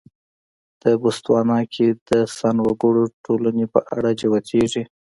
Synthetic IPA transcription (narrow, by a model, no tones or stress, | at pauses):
d̪̥əbust̪wɑnɑkʰed̪əsanwaɡuɽoʈʰolanepə̰ʔa̰ɽad͡ʒawat̪eʐi